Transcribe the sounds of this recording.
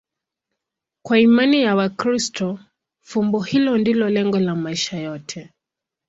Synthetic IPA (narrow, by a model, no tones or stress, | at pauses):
kwaimanijawakɾistɔ | fumbɔhilɔndilɔlɛŋɡɔlamaiʃajɔtʰɛ